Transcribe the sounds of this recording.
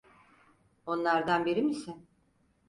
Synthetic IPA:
o̞nlˠaɾd̪anbiɾimisɪn

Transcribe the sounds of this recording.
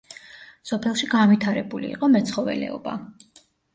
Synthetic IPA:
sɔpʰɛlˠʃiɡanvit̪ʰaɾɛbulḭːqʼɔmɛt̪sʰχɔvɛ̰lɛ̰ɔba̰

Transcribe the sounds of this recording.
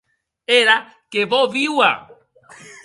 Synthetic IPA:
eɾa | kevoviwa̰

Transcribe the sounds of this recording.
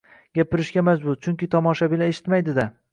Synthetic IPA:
ɡʲapɪɾɪʃɡʲamad͡ʒbʊɾt͡ʃʰʊŋkʲɪt̪ʰɒmɒʃabɪlaeʃɪ̥t̪majd̪ɪd̪a

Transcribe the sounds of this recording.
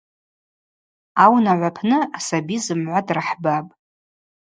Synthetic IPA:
awnaʕʷapʰnɨasabizɨmʕʷadraħbapʼ

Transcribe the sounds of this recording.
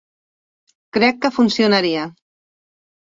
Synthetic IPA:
kɾɛkːəfunsionaɾia

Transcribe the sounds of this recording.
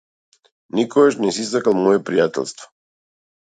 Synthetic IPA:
nikɔɡaʃnɛsis̬t̪akalˠmɔjɛpɾijat̪ɛ̰lˠst̪vɔ̥

